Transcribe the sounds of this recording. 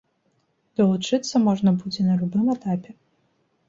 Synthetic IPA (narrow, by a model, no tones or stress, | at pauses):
d̪̥ɐlˠut͡ʂɨt̪sːɐmɔʐnɐbud͡zʲɛnɐlʲubɨmɛt̪apʲɛ